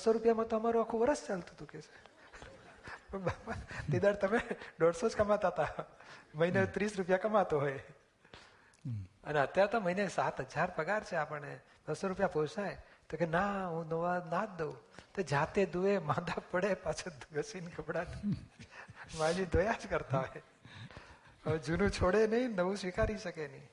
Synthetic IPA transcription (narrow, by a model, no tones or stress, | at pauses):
soɾupjamãt̪oəmaɾũakʰũʋəɾəst͡ʃalt̪ut̪uket͡ʃʰe̥ | pəɳbat̪id̪aɽt̪əmeɖɔɽsod͡ʒkəmat̪at̪aməinet̪ɾisɾupjakəmat̪oɦoje | əneət̪jaɾet̪oməinesat̪ɦəd͡ʒaɾpəɡaɾt͡ʃʰeapəɳne | d̪̥əsoɾupjaposaet̪ekenaɦũnəʋanat̪d̪eũt̪od͡ʒat̪ed̪uʋemãd̪apəɽepat͡ʃʰəd̪ʱuɡəsinkəpɽat̪ | mãd͡ʒid̪ʱojad͡ʒkəɾt̪aɦoe | əʋed͡ʒunũt͡ʃʰoɽenəɦĩnəʋũsʋikaɾiʃəkeni